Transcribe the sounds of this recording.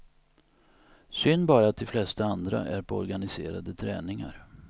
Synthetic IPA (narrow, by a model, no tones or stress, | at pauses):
sʏnːbɑːɾat̪ʰɪlflɛst̪aand̪ɾa̰ʔæɾpʰɔɔ̰ɾɡanɪseːɾa̰d̪ət̪ʰɾɛ̰ːnɪŋa̰ɾ